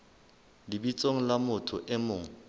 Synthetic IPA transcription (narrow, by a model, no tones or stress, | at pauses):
lɪbit͡sʼoŋ̩lamʊtʰʊʔɛmʊːŋ̩